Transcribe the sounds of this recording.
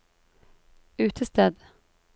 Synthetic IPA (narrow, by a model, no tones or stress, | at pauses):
ʉ̟ːt̪ʰəst̪ɛd̪